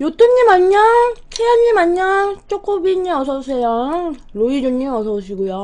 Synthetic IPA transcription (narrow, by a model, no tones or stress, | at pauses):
jot͈uŋɲimaɲːatʰejaɲːimaɲːat͡ɕ͈ok͈obiɲːiʌsʰʌsʰejʌŋɾoid͡ʑoɲimʌsʰʌɕʰiɡujo